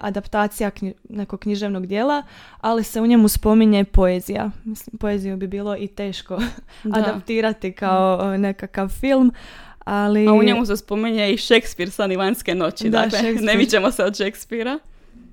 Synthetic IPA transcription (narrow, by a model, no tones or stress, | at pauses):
a̰d̪apt̪aːt̪sijakine̞koɡ̥̚kɲiʒe̞ʋnoɡd̪je̞ːlˠa | alise̞uɲe̞muspo̞miɲe̞po̞ezija̰mislimpo̞ezijubibiːlˠo̞ʔit̪e̞ːʃko̞ad̪apt̪iːɾat̪ikaone̞kakaʋfilˠm | aliauɲemusespo̞miɲeiʃekspiɾsaniʋanskeno̞t͡ɕid̪aleeneʋit͡ɕemoseod̪ʃekspiɾa